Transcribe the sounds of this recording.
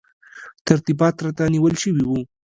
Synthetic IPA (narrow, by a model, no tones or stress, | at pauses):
t̪aɾt̪ibɑt̪ɾat̪aniwəlʃəwiwu